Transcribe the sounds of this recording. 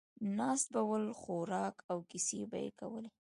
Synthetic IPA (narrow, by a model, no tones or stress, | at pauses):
nɑst̪̚bawəlxoɾɑkawkiseba̰jḛka̰wəle